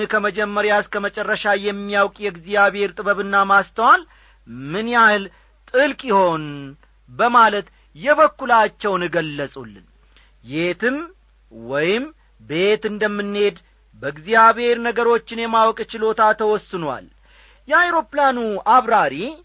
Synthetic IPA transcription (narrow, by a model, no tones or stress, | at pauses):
kʰəməd͡ʒɛmːəɾjaɨskʰəmət͡ʃʼɛrːəʃajɛmːijawkʼjɛɡzijaβhe̞ɾt̪ʼɨbəβɨnːamast̪ʰəwal | mɨnjahɨl | t̪ʼɨlkʼjɪho̞n | bəmalət̪ | jɛβəkːulat͡ʃːɛwnɨɡəlːəsʼulːɨn | jet̪ʰɨm | wɔjɪm | be̞t̪ɨnd̪əmːɨnːhe̞d̪ | bəɨɡzijaβhe̞ɾnəɡəɾo̞t͡ʃːɪnjɛmawkʼt͡ʃɪlo̞t̪ʰat̪ʰəwɔsːɨnwa̰l | jɛajɾo̞planuaβɾaɾi